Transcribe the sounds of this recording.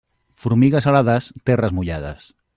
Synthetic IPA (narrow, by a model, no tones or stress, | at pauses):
fuɾmiɣasalaðast̪ɛrəzmuʎa̰ða̰s